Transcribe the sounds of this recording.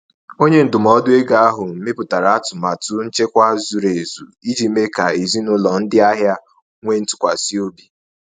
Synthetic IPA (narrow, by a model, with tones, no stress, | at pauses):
o˦ɲe˦n̩˨dʊ˨mɔ˨˦dʊ˦e˦ɡa˨a˦ɦʊ˨m̩˨˦me˦pʊ˨ta˨ɾa˨a˦tʊ˨ma˨tʊ˦n̩˦t͡ʃe˦kʷa˦zu˨ɾe˨zu˨i˦d͡ʒi˨me˦ka˨e˨zi˦nʊ˦lɔ˨n̩˦dɪ˦a˦ɦja˦ | ŋʷe˦n̩˦tʊ̥˨kʷa˨si˦o˦bi˨